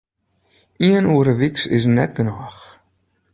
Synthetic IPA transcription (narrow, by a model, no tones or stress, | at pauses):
iənuːəɾəʋiksɪ̰s̬nɛtɡənaːx